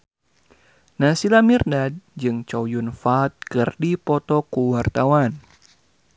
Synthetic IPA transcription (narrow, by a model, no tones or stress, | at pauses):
nasilamirnad̚d͡ʒɨŋt͡ʃawjunfat̪̚kɨrdipɔt̪ɔkuwart̪awan